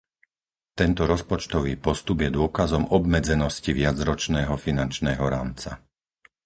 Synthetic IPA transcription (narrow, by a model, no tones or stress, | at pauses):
t̪ɛnt̪ɔɾɔspɔt͡ʃt̪ɔʋiːpɔst̪ubjɛd̪ʊɔkazɔmɔbmɛd͡zɛnɔsciʋɪad͡zɾɔt͡ʃnɛːɦɔfinant͡ʃnɛːɦɔɾaːmt͡sa